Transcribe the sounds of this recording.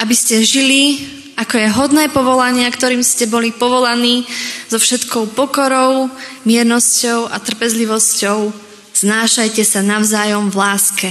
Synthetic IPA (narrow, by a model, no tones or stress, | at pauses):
ʔabiscɛʒili | ʔakɔjɛɦɔd̪nɛːpɔʋɔlaɲɪakt̪ɔɾiːmscɛbɔlipɔʋɔlaniːz̥ɔfʃɛt̪kɔʊpɔkɔɾɔʊmɪɛɾnɔscɔʊʔat̪r̩pɛzliʋɔscɔʊ | z̥naːʃajcɛsanaʊzaːjɔmvlaːskɛ